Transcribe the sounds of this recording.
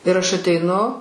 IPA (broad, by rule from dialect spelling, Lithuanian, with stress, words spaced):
ɪr ɐʃ ɐtʲɛɪˈnʊ